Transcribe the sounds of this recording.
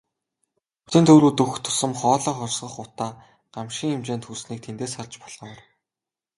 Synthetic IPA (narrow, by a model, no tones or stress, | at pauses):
ɵt̪ɘ̆nt̪ʰɵwɾuːt̪ɵxt̪ʰːʊ̥sə̆mχɔːɮɔːχɔrsɢɞ̆χʊt̪aː | ɢ̥amʃiːŋemt͡ɕeːnt̪ʰxursniːk̚t̪ʰent̪eːsχart͡ɕpɔɮɔːr